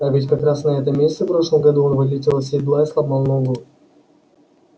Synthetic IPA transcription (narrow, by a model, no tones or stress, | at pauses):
avʲɪtʲkɐkɾasnɐɛt̪əmʲesʲɪt̪səfpɾo̞ʂlˠəmɡɐd̪uonvɨd̪ʲɪtʲɪlˠs̬ʲɪd̪lˠaslˠɐbmɐlˠnolo